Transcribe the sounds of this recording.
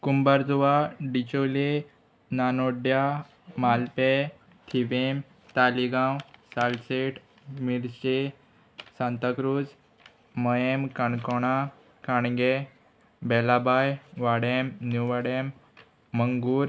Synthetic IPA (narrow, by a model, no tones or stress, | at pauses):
kumbaɾd͡zuʋaɖit͡ɕole | nanoɖja | malpe | t̪ʰiʋem | t̪aliɡãwsalseʈ | miɾse | sãnt̪əkɾud͡z | məjemkaɳkɔɽ̃a | kaɳɡe | bɛlabajʋaɽemnjuʋaɽemː | əŋɡuɾ